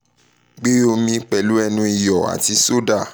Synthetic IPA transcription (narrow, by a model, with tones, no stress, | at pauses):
ɡ͡be˦o˧mĩ˧k͡pɛ˨lu˦ɛ˧nũ˧i˨jɔ˨a̰˨ti˧˦so˦da˦˨